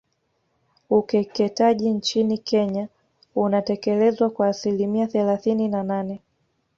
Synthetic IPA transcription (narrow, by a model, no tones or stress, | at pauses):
ukɛkɛtaʄint͡ʃinikʰɛɲa | unatɛkɛlɛzwakwaːsilimiaθɛlaθininananɛ